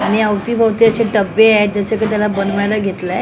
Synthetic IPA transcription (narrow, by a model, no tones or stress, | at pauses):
aɽ̃iəʋt̪iːbʱəʋt̪iəɕeʈəbːead͡zəsekat̪jalabənʋajlaɡʱet̪le